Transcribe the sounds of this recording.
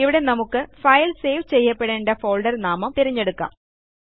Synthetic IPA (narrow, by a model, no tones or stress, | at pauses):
iʋiɽe̞nɐmukːɨfɐjlse̞ːʋt͡ɕe̞jːɐpːeɽeːɳɖefo̞ːlɖɐrnaːmɐmt̪iɾiɲːe̞ɽukːa̰ːm